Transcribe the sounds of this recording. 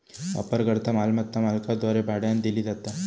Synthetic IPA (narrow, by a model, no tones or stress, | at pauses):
ʋa̰pəɾɡəɾt̪ʰamalmət̪ːamalkad̪ʋaɾebʱaɽjand̪ilid̪at̪a